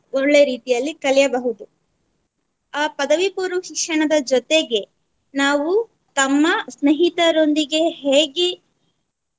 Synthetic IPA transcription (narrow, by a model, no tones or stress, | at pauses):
oɭːe̞ɾiːt̪ijɐlːikɐlɛjɐbɐɦud̪u | aːpɐd̪ɐʋipuːɾuʃikʂɐɳɐd̪ɐd͡ʒɔt̪e̞ɡe̞ | naːʋu | t̪ɐmːɐsneɦit̪ɐɾo̞nd̪iɡe̞ɦeːɡe